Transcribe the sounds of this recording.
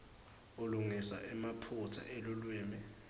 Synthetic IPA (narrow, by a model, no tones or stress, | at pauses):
uluŋiswa̰ʔɛmapʰutʰa̰ʔɛlulwiːmi